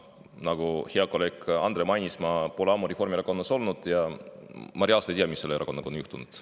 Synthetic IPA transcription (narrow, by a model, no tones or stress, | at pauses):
nɑɡ̥uheɑkːo̞le̞ːkɑnd̪ɾe̞mɑjnismɑpoleɑːmuɾefo̞rɾmieɾɑko̞nːɑso̞lnud̪̥jɑ | mɑɾiɑst̪ejt̪ijɑmisːe̞leeɾʔɑko̞nːɑkonjuht̪unud̪̥